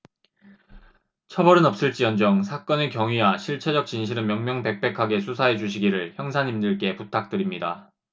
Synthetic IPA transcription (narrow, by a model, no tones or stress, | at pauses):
t͡ɕʰʌbʌɾɯnʌp̚s͈ɯɭt͡ɕ͈iʌnd͡ʑʌŋsʰak͈ʌnekjʌŋɥiwaɕʰiɭt͡ɕʰe̞d͡ʑʌk̚t͡ɕ͈inɕ̬ʰiɾɯnmjʌŋmjʌŋpe̞k̚p͈e̞kʰaɡe̞sʰusʰaɦe̞d͡ʑuɕʰiɡiɾɯɭçjʌŋsʰaɲimdɯɭk͈e̞putʰak̚t͈ɯɾimɲida